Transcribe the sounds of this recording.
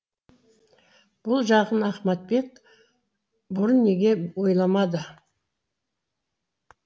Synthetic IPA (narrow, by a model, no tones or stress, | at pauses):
b̥ʊlˠʒɑʁənɑχmɑt̪̚be̞k̚ | bʊɾənːe̞ɡʲe̞wojlˠɑmɑd̪ə